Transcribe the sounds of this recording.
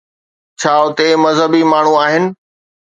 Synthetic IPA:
t͡ɕʰaːʊt̪emɐzɦəbimaːɳ̤ũaːɦɪnɪ̆

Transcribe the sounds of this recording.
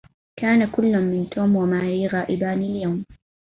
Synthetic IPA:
kaːnakʊlːʊmːɪnt̪ʰoːmwamaːɾiːɣaːʔɪbaːnɪljawm

